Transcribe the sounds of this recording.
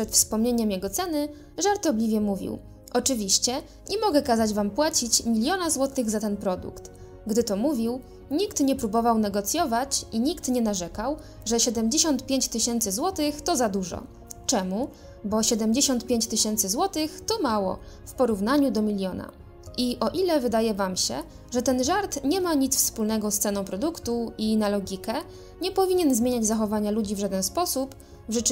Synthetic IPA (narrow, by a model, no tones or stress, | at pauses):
ʂɛt̪fspɔmɲeɲɛmjɛɡɔt̪sɛnɘ | ʐaɾt̪ɔblʲivʲjɛmuvʲḭw | ʔɔt͡ʂɘvʲiɕt͡ɕɛ | ɲɛmɔɡɛkazad͡ʑvampwat͡ɕit͡ɕmʲilʲjɔnazwɔt̪ɘɣzat̪ɛnpɾɔd̪ṵkt̪ | ɡd̪ɘt̪ɔmuvʲiw | ɲikt̪ɲɛpɾubɔvawnɛɡɔt̪sʲjɔvat͡ɕiɲikt̪ɲɛnaʐɛkaw | ʐɛɕɛd̪ɛmd͡ʑeɕɔnt̪pʲjeɲt͡ɕt̪ɘɕɛnt̪sɘzwɔt̪ɘxt̪ɔzad̪uʐɔ̰ | t͡ʂɛmu | bɔɕɛd̪ɛmd͡ʑeɕɔnt̪̚pʲjeɲt͡ɕ̪ɘɕɛnt̪sɘzwɔt̪ɘxt̪ɔmawɔ̰fpɔɾuvnaɲud̪ɔmʲilʲjɔna̰ | iʔɔʔilɛvɘd̪ajɛvamɕɛ̰ | ʐɛt̪ɛnʐaɾt̪ɲɛmaɲit̪sfspulnɛɡɔst̪sɛnɔ̃w̃pɾɔd̪ukt̪uinalɔɡʲikɛ | ɲɛpɔvʲiɲɛnzmʲeɲad͡ʑzaxɔvaɲalud͡ʑivʐad̪ɛnspɔsup | ʐɘt͡ʂ